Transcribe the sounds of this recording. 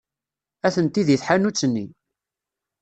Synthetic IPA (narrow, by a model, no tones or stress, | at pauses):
æθənt̪iðiθħanut͡sːənːi